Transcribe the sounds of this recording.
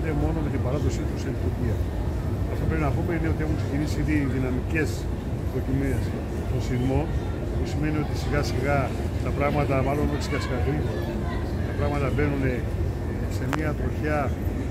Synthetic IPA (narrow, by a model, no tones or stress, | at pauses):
d̪emo̞nome̞t̪ibɐɾɐðosiθuselit̪uɾpiɐ | ɐft̪opɾe̞pinɐpume̞ine̞o̞t̪ie̞xunsçiɾisiiðiðinɐmice̞s | pɾo̞t̪imes | st̪o̞nsiðmo̞ | pusime̞nio̞t̪isiɣɐsiɣɐ | t̪ɐpɾɐɣmɐt̪ɐmɐlo̞no̞i̥skɐskɐɾði | t̪ɐpɾɐɣmɐt̪ɐbe̞nune̞ | se̞miɐt̪ɾo̞çɐ